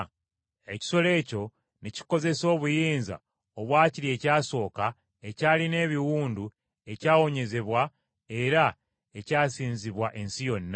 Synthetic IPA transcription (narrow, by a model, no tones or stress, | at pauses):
e̞ci̥so̞le̞ːco̞ | nici̥ko̞ze̞so̞ːβujiːnza̰ | oβwaːciɾie̞ːcaːso̞ːka | e̞caːline̞ːβiwuːndu | e̞caːwo̞ɲe̞ze̞βwa | e̞ɾa | e̞caːsiːnziβwaʔe̞nsijo̞nːa